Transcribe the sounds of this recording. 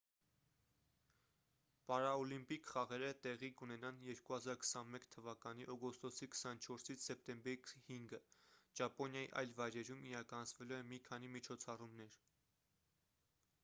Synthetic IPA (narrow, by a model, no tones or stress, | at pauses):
pɑɾɑɔlimpikʰχɑʁɛɾət̪ɛʁikunɛnɑnjɛɾkuhɑzɑɾkʰə̥sɑnmɛkt̪ʰəvɑkɑniʔɔɡɔst̪ɔsikʰə̥sɑnt͡ʃʰɔɾsit͡sʰsɛp̚t̪ɛmbɛɾikhiŋɡəd͡ʒɑpɔnjɑjḭʔɑ̰jlvɑjɾɛɾumiɾɑkɑnɑt͡sʰvɛluɛmikʰɑnimit͡ʃʰɔt͡sʰɑrumnɛɾ